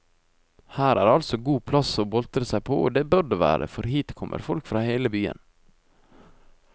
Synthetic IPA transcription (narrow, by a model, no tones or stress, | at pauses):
hæːɾæ̰ːɾɑlsɔɡuːpʰlɑsoːbɔlt̪ɾəsæɪpʰoːʔo̰ːd̪eːbœɾɖəʋæ̰ːɾə̰fɔɾhiːt̪kʰɔmʔə̰ɾfɔlkfɾɑːheːləbyːə̰n